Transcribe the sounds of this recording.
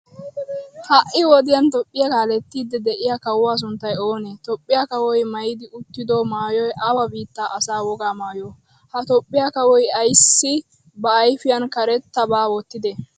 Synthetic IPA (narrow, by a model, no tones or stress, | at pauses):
hɐʔɪwɔd̪ɪjɐnt̪ɔpʼːɪjɐkaːlɛt̪ːiːd̪ːɛd̪ɛʔɪjakɐwaːs̬ʊnt̪ːɐjoːnet̪ɔpʼːɪjakɐwɔjmɐjɪd̪ɪʊt̪ːɪd̪oːmaːjɔjʔɐwɐbiːt̪ːaːʔɐsaːwɔɡaːmaːjo | hɐt̪ɔpʼːɪjakɐwɔjɐjsːɪ | bɐːjfɪjɐnkɐɾɛt̪ːɐbaːwɔt̪ːɪd̪ɛ